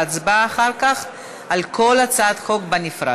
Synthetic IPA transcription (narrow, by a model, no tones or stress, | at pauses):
at͡sbaːχaʁkaχ | alkʰo̞lat͡saːd̪χo̞kbanifʁa̰